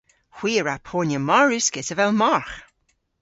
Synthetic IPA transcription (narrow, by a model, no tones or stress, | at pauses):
xw̥iːəɹapʰoːnʲjəmaɹʉskɪtəvɛlˠmaɹx